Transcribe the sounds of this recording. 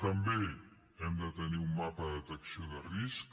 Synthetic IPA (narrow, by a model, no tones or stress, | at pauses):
t̪əmbe | ɛmd̪ət̪əniumːapəðət̪əksioðərisk